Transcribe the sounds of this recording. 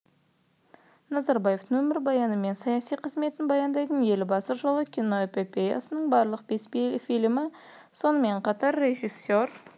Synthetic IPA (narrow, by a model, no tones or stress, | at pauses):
nɑzɑɾbɑje̞ft̪əŋwɵmɪɾbɑjɑnəme̞nsɑjɑsijqʰəzme̞t̪ɪnbɑjɑnd̪ɑjt̪əne̞lbɑsəʒolˠəkʲʰino̞epʲopʲeja̰sənəɴbɑɾlˠəq̚be̞sfifilmɪ | so̞nəme̞ɴqʰɑt̪ɑɾːe̞ʒisːor